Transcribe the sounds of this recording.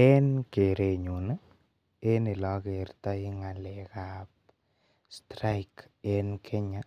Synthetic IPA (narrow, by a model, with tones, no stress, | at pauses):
e˦nke˨ɾe˨ɲu˨n | e˦ni˨lɔ˦ke˨rtɔ˦i˦ŋa˨le˨kap̚ | stɾa˦jkenkʰe˦ɲa˨